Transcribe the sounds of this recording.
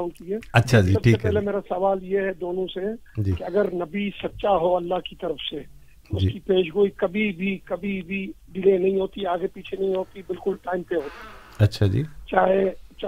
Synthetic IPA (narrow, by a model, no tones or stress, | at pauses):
ʊ̃ɳkiɦɛːɐtːʃʰaiɐbʰiːepɛɦːlemeːɾasɐʋaːljeɦɛd̪oːnõsed͡ʒikeɐɡəɾnɐbisɐt̪ːʃaɦoɐlːaɦkit̪ɐɾəfʰse | ʊskipeːʃɡoːikɐbʱibʱikɐbʱibʱiɖɪleːnɐɦĩɦoːt̪iaːɡepiːt͡ʃʰenɐɦĩɦoːt̪ibɪlkʊlʈaːɪmpeɦoːt̪i | ɐtːʃʰad͡ʒḭːt͡ʃaːɦet͡ʃ